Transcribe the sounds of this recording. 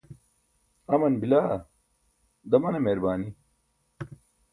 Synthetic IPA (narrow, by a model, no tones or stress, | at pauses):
ɐmɐnbilaː | d̪ɐmɐnemeːɾbaːni